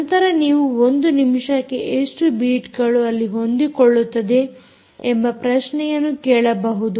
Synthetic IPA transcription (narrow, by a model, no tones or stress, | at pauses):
ɐnt̪ɐɾɐniːʋuond̪unimʂɐkːeʔeʂʈubiːʈɡɐɭuɐlːiɦo̞nd̪ikoɭːut̪ːɐd̪e̞ | embɐpɾɐʃnɛjɐnːukɛːɭɐbɐɦud̪u